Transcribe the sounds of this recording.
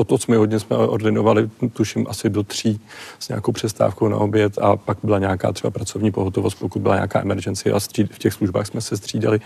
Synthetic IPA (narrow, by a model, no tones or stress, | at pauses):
ʔot̪osmɪɦodɲɛsmɛʔordɪnovalɪt̪uʃɪmʔasɪdot̪r̝̥iːz̥ɲa̰ːko̞wpr̥ɛst̪a̰ːfkowna̰ʔo̞bjɛt̪a̰paɡbɪlaɲaːka̰ːt̪r̥ɛbapɾat͡so̞vɲiːpo̞ɦot̪ovo̞st̪̚po̞kut̪̚bɪlaɲa̰ːka̰ːʔɛmɛɾd͡ʒɛnt͡sɪʔa̰st̪r̥iːfcɛxsluʒba̰ːxsmɛsɛst̪r̝̥iːdalɪ